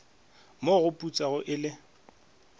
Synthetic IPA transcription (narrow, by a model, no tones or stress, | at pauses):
moɣʊpʼut͡sʼaɣʊʔɪlɪ